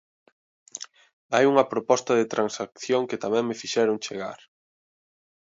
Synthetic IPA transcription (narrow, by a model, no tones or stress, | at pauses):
ajuŋɐpɾopɔst̪ɐðet̪ɾʔansakθjoŋkɪt̪amɛ̃ŋmɪfiʃɛɾoŋt͡ʃeɣa̰ɾ